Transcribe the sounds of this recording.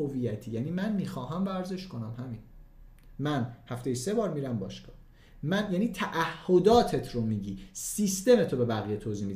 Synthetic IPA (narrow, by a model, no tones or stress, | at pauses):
ovijæt̪ʰiːjæniːmænmiːxɒːɦæmvæɾze̞ʃko̞næmhæmiːn | mænhæft̪e̞jese̞bɒːɾmiːɾæmbɒ̰ːʃkɒː | mænjæniːt̪ʰæʔæhːo̞d̪ɒːt̪ʰet̪ʰɾomiːɟiːsist̪e̞met̪ʰobe̞bæɣijet̪ʰoːziːmid̪